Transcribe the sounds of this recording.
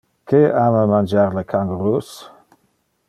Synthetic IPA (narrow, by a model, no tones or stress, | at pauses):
kʰeaməmand͡ʒaɾləkʰaŋɡɾus